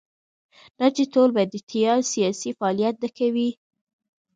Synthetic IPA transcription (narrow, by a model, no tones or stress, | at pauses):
d̥ɑt͡ʃet̪olbajd̪ːət̪ʰijɑsijɑsifaɑlijat̪̚d̪akawi